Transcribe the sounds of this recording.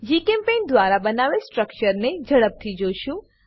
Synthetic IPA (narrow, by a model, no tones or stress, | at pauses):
d͡ʒikẽmpend̪ʋaɾabənaʋesʈɾək̚t͡ʃəɾned͡ʒəɽəp̚t̪ʰid͡ʒoʃũ